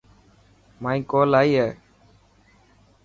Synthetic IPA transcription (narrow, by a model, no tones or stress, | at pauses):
maːĩːkoːlaːiːɦɛː